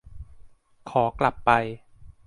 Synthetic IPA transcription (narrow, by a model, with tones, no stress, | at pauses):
kʰɔː˩˦kla˨˩pːa˧j